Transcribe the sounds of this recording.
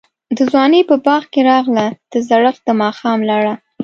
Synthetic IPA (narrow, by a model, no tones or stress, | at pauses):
d̪əzwɑnəpəbɑɣkeɾɑɣlad̪̥əzaɽəqd̪̥əmɑxɑmlaɽa